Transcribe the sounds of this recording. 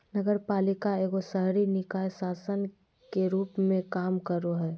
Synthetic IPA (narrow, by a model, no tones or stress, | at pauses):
nəɡəɾpaːlɪkaeːɡosəɦɾinɪkaːjsaːsən | keɾuːpmẽkaːmkəɾoɦɛː